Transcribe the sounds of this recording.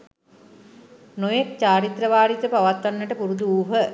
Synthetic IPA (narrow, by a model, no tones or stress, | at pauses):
nojek̚t͡ɕaːɾit̪rəʋaːɾit̪əpaʋat̪ʋanːəʈəpuɾud̪uuːɦə